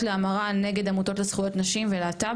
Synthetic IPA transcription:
leamaʁane̞ɡe̞d̪amuto̞tlesχujo̞tnaʃimveleata

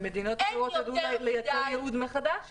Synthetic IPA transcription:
med̪inot̪ʁoad̪ulejat͡sejɛud̪meχad̪aʃ

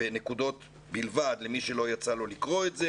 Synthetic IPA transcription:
enekudo̞t | bilvad̪lemiʃe̞lo̞jat͡salo̞likʁo̞etze

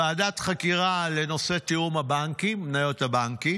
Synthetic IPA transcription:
aːdat̪χakiʁale̞no̞se̞tiumhabaŋkimnajo̞tabaŋki

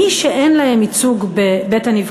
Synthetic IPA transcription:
iʃeʔenlahemit͡suɡbebe̞taniv

